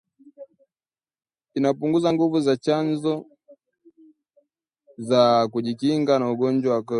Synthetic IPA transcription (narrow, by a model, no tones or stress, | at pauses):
inapuŋɡuzaŋɡuvuzat͡ʃanzɔ | zakuʄikiŋɡanauɡɔnd͡ʒwawakɔ